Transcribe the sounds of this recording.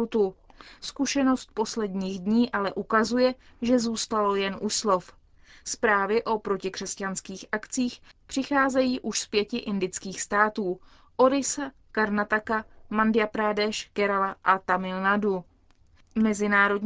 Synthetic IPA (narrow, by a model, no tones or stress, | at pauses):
t̪uskuʃɛno̞st̪̚po̞slɛdɲiːɣdɲiːʔalɛʔukazujɛʒɛzuːst̪alo̞jɛnʔuslo̞f | spɾaːvɪʔo̞pɾo̞cɪkr̝̥ɛscanskiːxʔakt͡siːxpr̥ɪxaːzɛjiːʔuʃspjɛcɪʔɪndɪt͡skiːxst̪aːt̪uː | ʔo̞ɾɪsa | kaɾnat̪akamandɪjapɾaːdɛʃkɛɾalaʔat̪amɪlnadu | mɛzɪnaːɾo̞d